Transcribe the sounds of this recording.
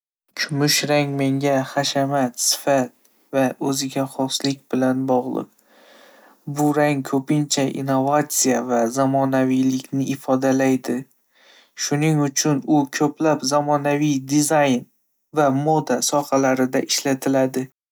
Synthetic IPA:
t͡ʃʰʊmʊʃɾaŋme̞ŋɡʲaχaʃamat̪sɪ̥fat̪̚ | vaɵzɪɡʲaχɒslɪkʲbɪlanbɒʁlˠɨ̰q̚ | bʊɾaŋkʰɵpɪnt͡ʃʰaʔḭnːovat̪sijavazamɒnavijlɪkʲnɪɪfɒd̪alajd̪ɪ | ʃʊnɪŋʊt͡ʃʰʊnʊkʲʰɵplapzamɒnavijd̪ɪzajn | vamod̪asɒhalaɾɪd̪aʔɪʃlat̪ʰɪlad̪ɪ

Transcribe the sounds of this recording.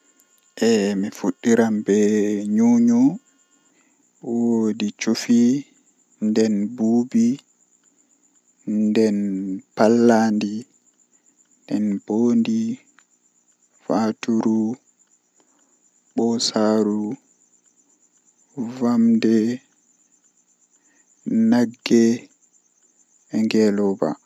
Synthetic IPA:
ʔɛmifuɗːiɾambɛɲuːɲu | wodit͡ʃufi | ndɛnbuːbi | ndɛnpalːandi | ndɛnb̥oːndi | vatuɾu | ɓɔsaːɾu | vamdɛ | naɡːɛ | ɛŋɡɛlɔba̰

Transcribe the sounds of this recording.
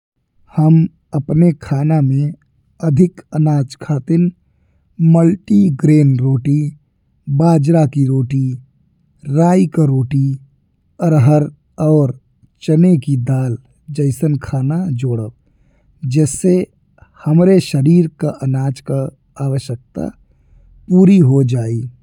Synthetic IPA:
həm | əpnekʰaːnamẽ | əd̪ʱɪkənaːd͡ʒkʰaːt̪ɪn | məlʈiɡɾeːnɾoːʈi | baːd͡ʒɾakiɾoːʈi | ɾaːikaɾoːʈi | əɾɦəɾ | ɔːɾ | t͡ʃənekid̪aːl | d͡ʒəɪsənkʰaːnad͡ʒoːɽəb | d͡ʒɛːse | həmɾeʃəɾiːɾkaʔənaːd͡ʒka | aːwəʃjək̚t̪a̰ | puːɾiɦod͡ʒaːi

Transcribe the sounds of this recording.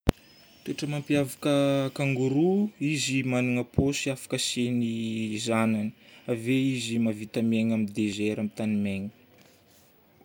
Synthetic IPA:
teʈ͡ʂəmampiavakəkaŋɡuɾuizimanuŋəposiafḁkəsenizanani̥aveizimavit̪ameɲamid̪ezeɾamit̪animeɲi̥

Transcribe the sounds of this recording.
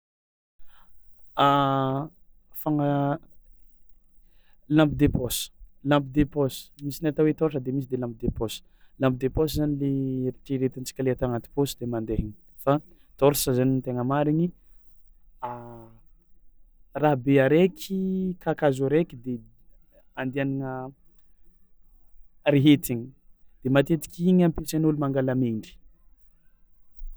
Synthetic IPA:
a | faŋə | lãmpid̪epɔsə̥lãmpid̪epɔsmisinet̪awet̪ɔʈ͡ʂəd̪emis̬id̪elãmpid̪epɔsə̥ | lãmp̚d̪epɔszanileɾiʈ͡ʂiɾet̪int͡si̥kʲəleat̪oaŋat̪i̥posid̪emand̪eɦiɲi | fa | t̪oɾisəzanint̪eŋəmaɾiɲi | a | raɦbeaɾekʲʰikʰakazuɾekid̪e | and̪ianinə | ɾeɦet̪iɲid̪̥emat̪et̪i̥kʲiɲampesenulumaŋɡalameɳɖ͡ʐi̥

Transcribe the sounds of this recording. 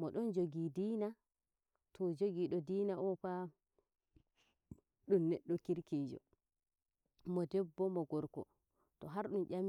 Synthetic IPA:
mɔɗɔnd͡ʒoɡidiːna | tʰɔd͡ʒoɡiɗɔdiːnaʔɔpa | ɗumnɛɗːɔkiɾkid͡ʒɔ̰ | mɔdɛbːɔmɔɡɔɾkɔ̰ | tɔɦaɾɗumʔʲam

